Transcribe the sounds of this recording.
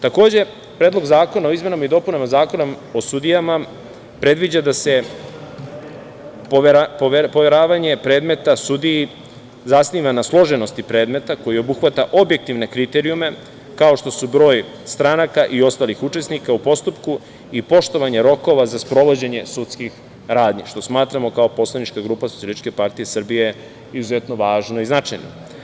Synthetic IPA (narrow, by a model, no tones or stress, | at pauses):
t̪ako̞ːd͡ʑe̞ | pɾe̞ːd̪lo̞ɡzaːko̞nao̞izme̞namaid̪o̞punamazaːko̞nom | o̞sud̪ijama | pɾe̞d̪ʋid͡ʑad̪ase̞ | papoepo̞ʋe̞ɾaːʋaɲe̞pɾe̞ːd̪me̞t̪asud̪iji | zasniːʋanaslˠo̞ʒe̞no̞st̪ipɾe̞ːd̪me̞t̪ako̞jio̞buxʋat̪aʔo̞bjek̚t̪iʋne̞kɾit̪e̞ɾiume̞ | kao̞ʃt̪o̞subɾo̞ːj | st̪ɾanakaʔio̞st̪aːlixut͡ʃe̞snikaupo̞st̪upku | ipo̞ʃt̪o̞ʋaɲe̞ɾo̞ko̞ʋazaspɾo̞ʋo̞d͡ʑe̞ɲe̞sut̪skix | ɾaːd̪ɲiʃt̪o̞smaːt̪ɾamo̞kao̞po̞slˠanit͡ʃkaɡɾuːpasoielit͡ʃke̞paɾt̪ije̞srbije | izuze̞t̪no̞ʋaːʒno̞iznat͡ʃajno̰